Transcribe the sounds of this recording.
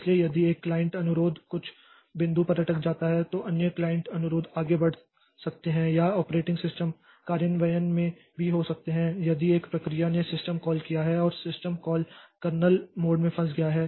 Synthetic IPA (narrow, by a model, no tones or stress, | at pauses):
ɪsliejɐd̪ieːkːlaːjɪ̃ɳʈɐnʊɾoːd̪kʊt͡ʃʰ | bɪ̃nd̪upɐɾɐʈək̚d͡ʒaːt̪aɦɛt̪oʔɐnjəklaːɪ̃ɳʈɐnʊɾoːd̪aːɡebɐɽ̤ | sɐk̚t̪eɦɛ̃jaɔːpɾeːʈɪ̃ŋɡsɪsʈəm | kaːɾjənʋɐjənmẽ | bʱiɦosɐk̚t̪eɦɛ̃jɐd̪ieːkpɾɐkɾijanesɪsʈəmkɔːlkijaɦɛɔːɾsɪsʈəmkɔːlkɐɾnəlmoːɖmẽpʰɐ̃sɡɐjaɦɛː